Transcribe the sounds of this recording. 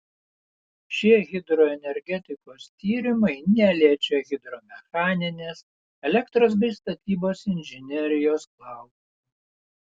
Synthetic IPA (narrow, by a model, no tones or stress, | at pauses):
ʃʲiɛɣʲɪd̪ɾɔɛnʲɛɾʲɡʲɛt̪ʲɪkoːst̪ʲiːɾʲɪmɐɪnʲɛlʲiɛt͡ʃʲɛɣʲɪd̪ɾomʲɛxɑːnʲɪnʲeːs | ɛlʲɛkt̪ɾoːs̬bʲɾɪst̪ɐt̪ʲiːboːsɪnʲʒʲɪnʲɛɾʲɪjoːsklˠɑˑʊt̪